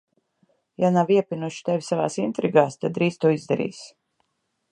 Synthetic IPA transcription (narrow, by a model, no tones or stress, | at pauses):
janaviɛpʲinuʃi̥t̪ɛvʲsava̰ːsint̪ɾiɡaːst̪ad̪ːɾiːst̪uɔizd̪aɾḭːs